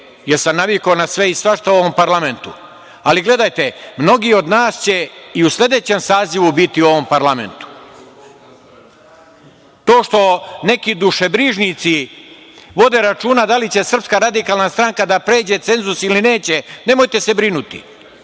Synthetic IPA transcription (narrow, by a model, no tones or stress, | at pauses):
jeɾsamnaʋikonasʋe̞isʋaʃt̪ao̞ʋompaɾlˠame̞nt̪ṵ | aliɡle̞d̪ajt̪emno̞ɡio̞d̪naːst͡ɕe̞iuslʲe̞d̪e̞t͡ɕe̞msaːziʋubit̪iuo̞ʋo̞mpaɾlˠame̞̰nt̪u̥ | t̪o̞ːʃt̪o̞ne̞kid̪uʃebɾiːʒnit̪si | ʋo̞d̪e̞ɾat͡ʃuːnad̪alit͡ɕe̞sr̩pskaɾad̪ikaːlˠnast̪ɾaŋkad̪apɾe̞ːd͡ʑe̞t̪se̞nzusiline̞ːt͡ɕene̞mo̞jt̪e̞se̞bɾinut̪ḭ